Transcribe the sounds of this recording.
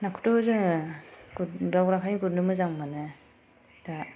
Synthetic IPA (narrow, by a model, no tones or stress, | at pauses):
nakʰu̥tozɯ | dawɾakʰajɡuɾnɯmɯzaŋmanɯ | da